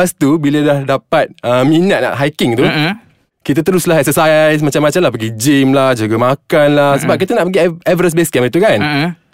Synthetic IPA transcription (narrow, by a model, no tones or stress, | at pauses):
ast̪ubilədahdapat̪̚əminət̪̚na̰ʔɦajkɪŋt̪u | kit̪at̪əɾʊslaɦsəsasmat͡ʃamːat͡ʃamlahpəɡid͡ʒimlahd͡ʒuɡamakanlahsəbap̚kit̪anaʔpəɡiɛvəɾəsbeskɛmit̪ukan